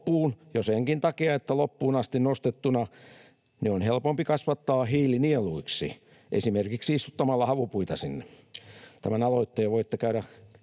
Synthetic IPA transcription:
uːnjoseŋkint̪ɑkiɑet̪ːælopːuːnɑst̪innost̪et̪ːunɑ | neonhelpompikɑsʋɑt̪ːɑːhiːlinieluiksḭ | ʔḛsimerkiksiist̪u̥t̪ːɑmɑlːɑhɑʋupuit̪ɑsinːe | t̪æmænɑloit̪ːejɑʋoit̪ːekæyɾæ

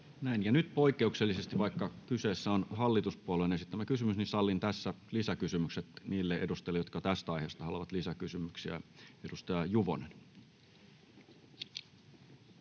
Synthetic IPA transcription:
næinjɑnyt̪po̞ikˑːe̞ukselːise̞st̪iʋʋɑikːɑkyse̞ːsːæonɦɑlːit̪uspuolenesit̪ːæmːækysymysnisɑlːint̪æsːælisækysymykset̪niːlːeʔedust̪ɑelːjot̪̚kɑt̪æst̪æɑjheːst̪ɑhɑloʋɑt̪lisækysymyksiæ̰e̞dust̪ɑjɑjuʋo̰nen

